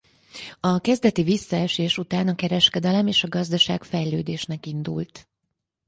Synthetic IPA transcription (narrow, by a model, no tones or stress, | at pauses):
ɒkɛzd̪ɛt̪ivisːɒɛʃeːʃut̪aːnɒkɛɾɛʃkɛd̪ɛlɛmeːʃɒɡɒzd̪ɒʃa̰ːkfɛjløːd̪eːʃnɛkind̪ṵlt̪